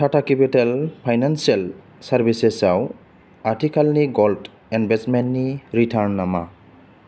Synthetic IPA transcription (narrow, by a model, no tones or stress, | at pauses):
tʰatakipitalpʰajnansial | saɾbisesaw | atʰikʰalniɡɔld | ɛnbesmentniɾitʰaɾnːama̰